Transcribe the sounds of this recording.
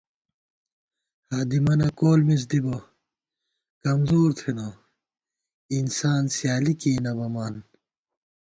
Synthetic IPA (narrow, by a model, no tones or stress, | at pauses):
haːd̪imɐnɐkoːlmis̬d̪ibo | kɐmzoːɾt̪ʰeno | insaːnsijaːlikiːnɐbɐmaːn